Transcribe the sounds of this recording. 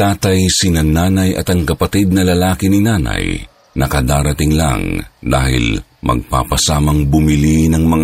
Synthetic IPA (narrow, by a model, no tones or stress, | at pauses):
t̪aːt̪ɐjsinɐnaːnɐjɐ̰t̪ɐŋkɐpɐt̪id̪̚nɐlɐlaːkɪnɪnaːnɐ̰j | nɐkɐd̪aːɾɐt̪ɪŋla̰ŋd̪a̰ːhɪ̰lmɐ̰ɡ̚pa̰pɐsaːmɐŋbʊmɪlinɐŋmɐŋ